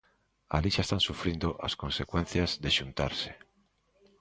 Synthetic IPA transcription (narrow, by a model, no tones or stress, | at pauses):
a̰liʃaest̪ansufɾind̪oʔa̰skonsekwenθjazðeʃunt̪a̰ɾse̥